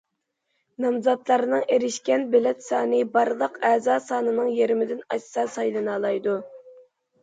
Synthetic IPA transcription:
nɑmzɑt̪lˠɑɾɨnɨŋeɾɪʃkʲɛnbɪlɛt̪sɑːnɨbɑɾlˠəqɛːzɑːsɑːnɨnɨŋjeɾɪmɪd̪ɪnɑssɑsɑjlˠɨnɑːlˠɑjd̪u

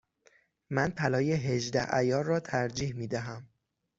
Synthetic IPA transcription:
mænpʰælɒːjeɦeʒd̪æhæjɒːɾːɒːt̪ʰæɾd͡ʒiːhmiːd̪æɦæm

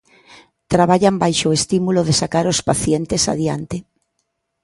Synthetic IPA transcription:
t̪ɾaβ̞aʎambajʃoest̪imuloðesakaɾospaθjent̪esa̰ðjant̪ɪ

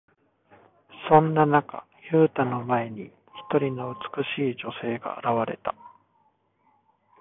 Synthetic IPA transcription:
sõ̞nːanaka̰ | çɯːt̪ano̞mae̞ɲ̟i | çi̥t̪o̞ɾʲino̞ɯ̟t͡sɨ̥kɯ̟ɕiːd͡ʑo̞se̞ːɡa̰ːɾaβaɾe̞̰t̪a

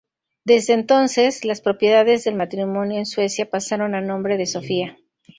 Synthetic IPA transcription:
d̪e̞zðe̞ːnt̪o̞nse̞slaspɾo̞pje̞ðaðe̞zðe̞lmat̪ɾimõ̞njo̞enswe̞sjapasaɾo̞nanõ̞mbɾe̞ðe̞so̞fia

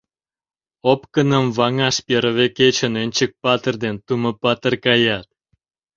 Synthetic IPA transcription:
opkənə̆mvɑŋɑʃpʲeɾə̆βeket͡ɕə̆nønʲt͡ɕək̚pɑt̪ərd̪ent̪uməpɑt̪ərkɑjɑt̪̚

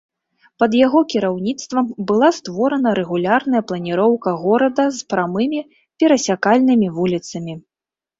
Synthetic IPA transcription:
pɐd̪jaɣɔkʲiɾawnʲit̪st̪vɐmbɨlˠast̪vɔɾɐnɐɾɛɣulʲarn̪ɐjɐplˠɐnʲiɾɔwkɐɣɔɾɐd̪ɐzpɾamɨmʲi | pʲɛɾɐsʲakalʲnɨmʲivulʲit̪sɐmʲi

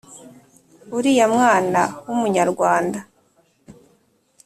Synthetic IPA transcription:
uɾijamŋaːnawumuɲaɾɡwaːnda

